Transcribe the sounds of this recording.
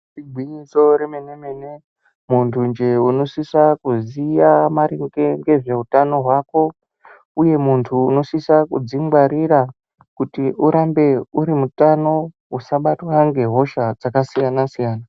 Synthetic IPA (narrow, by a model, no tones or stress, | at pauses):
tiɡʱwiɲiso̞ɾemenemene | muntʰund͡ʒe̞uno̞sisakuzijamaɾiŋɡeŋɡe̞ʐe̞utano̞ɦwaːko̞ | uje̞muntʰuːno̞sisakud͡ziŋɡwaɾiɾa | kutiʔuɾambe̞uɾimutano̞ | usaɓatwaŋɡe̞ɦo̞ʃad͡zakasijanasijaːna